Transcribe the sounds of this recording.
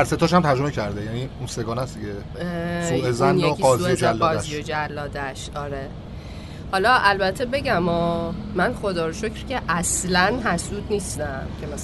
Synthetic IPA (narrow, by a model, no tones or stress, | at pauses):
æɾset̪ʰɒːʃ̬æmt̪ʰæɾd͡ʒomecʰæɾd̪ejæniunseɡɒːnæsd̪iɟe | suʔezænoiɡɒːzuiod͡ʒælːɒːæzijod͡ʒælːɒːd̪æʃɒːɾe | hɒlɒʔælbæt̪ʰːe̞be̞ɟæmɒːmænxo̞d̪ɒːɾoʃocʰɾcʰʲeʔæslænɦæsuːd̪niːst̪æmkʲʰemæ